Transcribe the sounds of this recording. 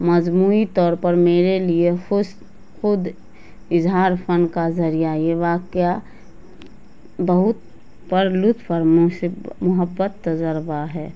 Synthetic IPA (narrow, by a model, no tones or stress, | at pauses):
məd͡ʒmuit̪ɔːɾpəɾmeːɾelieʊ | xʊd̪ | ɪzɦaːɾpʰənkazəɾijajeʋaːkja | bəɦʊt̪ | pəɾlʊt̪ʰpəɾmmʊɦəbːət̪ːəd͡ʒəɾbaɦɛː